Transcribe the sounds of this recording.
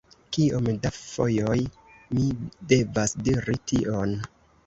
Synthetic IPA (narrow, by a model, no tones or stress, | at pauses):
kiomdafo̞̰joj | mide̞vasdiɾitiʔo̞n